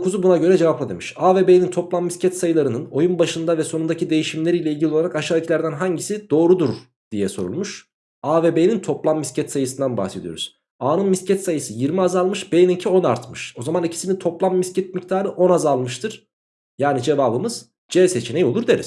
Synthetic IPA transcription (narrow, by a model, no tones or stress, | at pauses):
okʰuzubunaɟø̞ɾɛd͡ʒe̞vaplˠad̪e̞̰miʃaːvebejnint̪ʰo̞plˠamːiscʰɛt̪sajɯlˠaɾɯnɯno̞junbaʃɯnd̪avɛsonund̪acʰid̪e̞jiʃimlʲe̞ɾijlʲɛilʲɟilʲolˠaɾakaʃaːicʰilʲæɾd̪ænɦaɲɟisid̪̥o̞ːɾud̪uɾ | d̪̥ijɛso̞̰ɾṵlˠmuʃ | aːvebejnint̪ʰo̞plˠamːiscʰɛt̪sajɯsɯnd̪anba̰hse̞d̪ijo̞̰ɾṵz̥ | aːnɯnmiscɛt̪sajɯsɯjiɾmiazalˠmɯʃbejnicʰio̞naɾt̪mɯʃo̞zamanicʰi̥sinit̪ʰo̞plˠamːiscɛt̪̚mict̪ʰaːɾɯʔo̞nazalˠmɯʃt̪ʰɯɾ̥ | jaːnid͡ʒe̞vaːbɯmɯz̥ | d͡ʒɛset͡ʃʰinejio̞lˠuɾd̪eɾḭz̥